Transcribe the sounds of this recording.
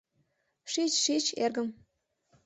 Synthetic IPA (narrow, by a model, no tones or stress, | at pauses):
ʂit͡ɕʂit͡ɕḛrɡə̆m